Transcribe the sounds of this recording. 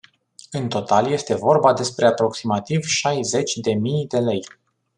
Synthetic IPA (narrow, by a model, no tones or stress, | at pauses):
ɨnt̪o̞t̪alje̞st̪e̞vo̞rbad̪e̞spɾe̞apɾo̞ksimat̪ivʃajze̞t͡ʃʲd̪e̞mijd̪e̞le̞j